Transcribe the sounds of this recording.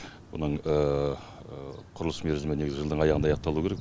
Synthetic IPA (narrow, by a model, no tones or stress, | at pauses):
wo̰nəɴə | qʰʊɾəlˠəsmeɾzɪmeneɡʲɪzʲɪʒəld̪əɴɑjɑʁənd̪ɑjɑq̚t̪ːɑlˠuəkʰʲeɾek